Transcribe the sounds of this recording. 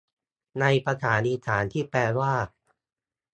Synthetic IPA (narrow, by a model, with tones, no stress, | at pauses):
na˧jpɾa˧t̪ʰaː˩˦nʔiː˧saː˩˦nt̪ʰiː˥˩pɛː˧waː˥˩